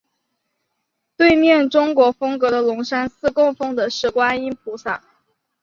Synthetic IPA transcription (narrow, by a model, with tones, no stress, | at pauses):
t̪we˥˧ɪmjɛ˥˩nʈ͡ʂʊ˥ŋkwɔ˧˥fɤ˥ŋkɤ˧˥d̪ə˧lʊ˧˥ŋʂa˥nsɹ̩˥˧kʊ˥˩ŋfɤ˥˩ŋd̪ə˨ʂɻ̩˥˩kwa˥ni˥npʰu˧˥sa̰˨˩˦